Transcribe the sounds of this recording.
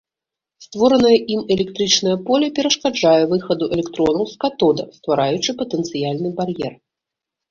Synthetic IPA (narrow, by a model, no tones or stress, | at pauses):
st̪vɔɾɐnɐjɐʔimɛlʲɛk̚t̪ɾɨt͡ʂnɐjɐpɔlʲɛpʲɛɾɐʂkad͡ʐajɛvɨxɐd̪uʔɛlʲɛkt̪ɾɔnɐwskat̪ɔd̪ɐ̰st̪vaɾajut͡ʂɨpɐt̪ɛnt̪sɨjalʲnɨbarjɛr